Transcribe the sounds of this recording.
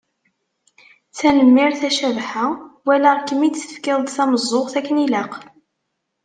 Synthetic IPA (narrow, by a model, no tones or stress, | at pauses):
t͡sænəmːɪɾθæʃævħawælæʁkːəmit͡sːə̥fkɪðˤd̪θæməzˤːoʁθækːənilaq